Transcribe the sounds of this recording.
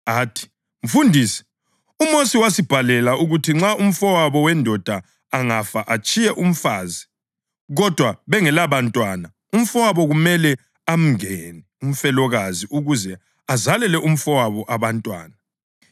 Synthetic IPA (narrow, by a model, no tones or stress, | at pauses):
aːtʰi̥ | m̩fundʱiːsi̥ | umosiwasib̥ʱalɛlaʔuɣutʰiŋ͡ǁaum̩fɔwaβɔwɛndʱɔd̥ʱa | aŋafaʔat͡ʃʼijɛʔum̩faːzi | ɣɔd̥ʱwaβɛŋɛlaβantʼwana | um̩fɔwaβɔɣumɛlɛ | am̩ŋɛnɛum̩fɛlɔɣaziʔuɣuzɛ | azalɛlɛʔum̩fɔwaβɔʔaβantʼwa̰ːna